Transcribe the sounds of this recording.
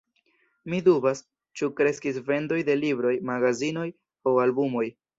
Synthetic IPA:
midubas | t͡ʃukɾe̞skisve̞ndo̞jde̞libɾo̞jmaɡazino̞j | oalbumo̞j

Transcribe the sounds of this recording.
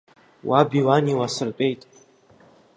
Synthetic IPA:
wʔabiwaniwasɨrpʷʼe̞jtʼ

